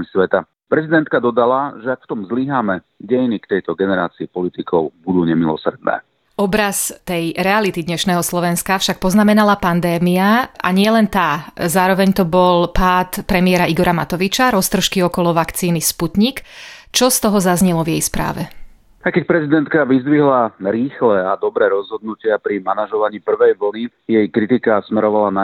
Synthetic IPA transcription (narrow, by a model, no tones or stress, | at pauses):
isʋɛt̪a | pɾɛzid̪ɛnt̪kad̪ɔd̪alaʒɛakft̪ɔmzliɦaːmɛ | ɟɛjnikt̪ɛjt̪ɔɡɛnɛɾa̰ːt͡siipɔlit̪ikɔʊbud̪uːɲɛmilɔsɾd̪̚nɛ̰ː | ɔbɾast̪ɛjɾɛalit̪id̪ɲɛʃnɛːɦɔslɔʋɛnskafʃak̚pɔznamɛnalapand̪ɛːmiaʔa̰ɲɪɛlɛnt̪aːzaːɾɔʋɛɲt̪ɔbɔlpaːt̪pɾɛmiɪɛɾaiɡɔɾamat̪ɔʋit͡ʃaɾɔst̪r̩ʃkiɔkɔlɔʋakt͡siːnisput̪ɲikt͡ʃɔst̪ɔɦɔzazɲɛlɔvjɛjspɾa̰ːʋɛ | ajkɛc̚pɾɛzid̪ɛnt̪kaʋizd̪ʋiɦlaɾiːxlɛad̪ɔbɾɛːɾɔzɦɔd̪̚nucɪapɾimanaʒɔʋaɲiːpr̩ʋɛjʋl̩ni | jɛjkɾit̪ikasmɛɾɔʋalana